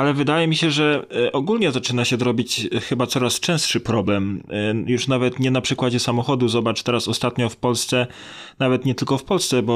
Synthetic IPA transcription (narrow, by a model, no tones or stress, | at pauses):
alɛvɘd̪ajɛmʲiɕɛʐɛʔɔɡulɲɛzat͡ʂɘnaɕɛd̪ɾɔbʲit͡ɕxɘbat̪sɔɾast͡ʂɛ̃w̃stʂɘpɾɔblɛmjuʂnavɛt̪ɲɛnapʂɘkwad͡ʑɛsamɔxɔd̪uzɔbat͡ʂt̪ɛɾasɔst̪at̪ɲɔfpɔlst̪sɛ | navɛt̪ɲɛt̪ɘlkɔfpɔlst̪sɛbɔ